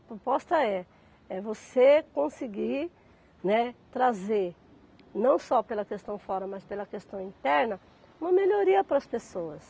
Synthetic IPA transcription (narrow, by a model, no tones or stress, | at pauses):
ɐpɾopɔst̪ɐɛ | ɛvosekõsiɡiɾ | nɛt̪ɾazeɾ | nɐ̃w̃sɔpelɐkest̪ɐ̃w̃fɔɾɐmɐspelɐkest̪ɐ̃w̃ĩnt̪ɛɾnɐ | ũmɐmeʎoɾiɐpɾɐspesoɐs